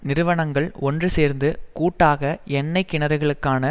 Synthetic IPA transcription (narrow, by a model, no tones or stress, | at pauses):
nɪɾɯʋɐɳɐŋɡɐɭɔndrɯseːɾnd̪ɯkuːʈːaːɣɐɛnːɐɪkːɪɳɐɾɐɣɐɭɯkːaːnɐ